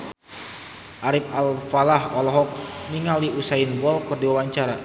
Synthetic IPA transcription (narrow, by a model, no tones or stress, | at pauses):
ʔaɾip̚alfalahɔlɔɦɔk̚niŋaldiusainbɔlkɨrdiwawaɲt͡ʃaɾa